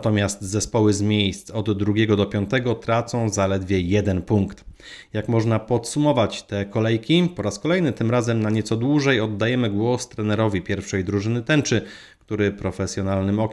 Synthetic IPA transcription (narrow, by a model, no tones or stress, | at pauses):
t̪ɔmʲjast̪zɛspɔwɘzmʲjejst̪sɔd̪ːɾuɡʲɛɡɔd̪ɔpʲjɔ̃nt̪ɛɡɔt̪ɾat̪sɔ̃w̃zalɛd̪vʲjɛjɛd̪ɛnpuŋkt̪jakmɔʐnapɔt̪sumɔvat͡ɕt̪ɛkɔlɛjkʲipɔɾaskɔlɛjnɘt̪ɘmɾazɛmnaɲɛt̪sɔd̪wuʐɛjɔd̪ːajɛmɘɡwɔst̪ɾɛnɛɾɔvʲipʲjɛɾfʂɛjd̪ɾuʐɘnɘt̪ɛnt͡ʂɘ | kt̪uɾɘpɾɔfɛsjɔnalnɘmɔkʲ